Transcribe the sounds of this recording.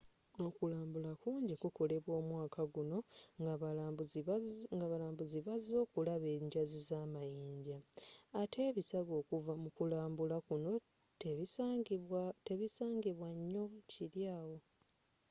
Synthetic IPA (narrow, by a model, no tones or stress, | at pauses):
o̞kulaːmbulakuːɲɟikuko̞le̞βwo̞ːmwaːkʰaɡuno̞ɡabuzŋɡaβalaːmbuziβazo̞ːkulaβe̞ːɲɟazizaːmajiːɲɟaːtʰe̞βisaɡo̞ːkuvamukulaːmbulakuno̞ | te | te̞βisaːŋɡiβwaɲːo̞ciɾjaːwo̞